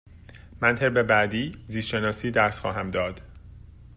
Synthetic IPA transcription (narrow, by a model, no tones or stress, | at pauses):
mænt̪ʰeɾbe̞bæd̪iːzisʃe̞nɒːsiːd̪æɾsxɒːɦæmd̪ɒːd̪̥